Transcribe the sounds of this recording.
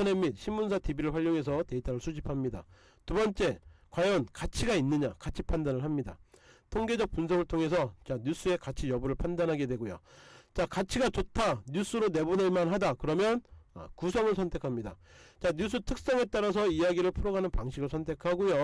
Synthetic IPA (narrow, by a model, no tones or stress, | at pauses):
ne̞mit̚ɕʰimːuns̬ʰatibiɾɯɭɸwaʎːoŋɦe̞s̬ʰʌte̞itʰaɾɯɭsʰud͡ʑipʰamɲida̰ | tubʌnt͡ɕ͈e̞kwajʌnkat͡ɕʰiɡainːɯɲakat͡ɕʰipʰandanɯɭɦamɲida̰tʰoŋɡe̞d͡ʑʌk̚p͈unsʰʌɡɯɭtʰoŋe̞s̬ʰʌt͡ɕaɲus͈ʰue̞kat͡ɕʰijʌbuɾɯɭpʰandanɦaɡe̞dwe̞ɡojo̰t͡ɕakat͡ɕʰiɡat͡ɕotʰaɲus͈uɾone̞buneɭmanɦadakɯɾʌmjʌna̰kusʰʌŋɯɭsʰʌntʰe̞kʰamɲida̰t͡ɕaɲus̬͈ʰɯtʰɯk̚s͈ʌŋe̞t͈aɾas̬ʰʌiaɡiɾɯɭpʰuɾoɡanɯnpaŋɕʰiɡɯɭsʰʌntʰe̞kʰaɡojo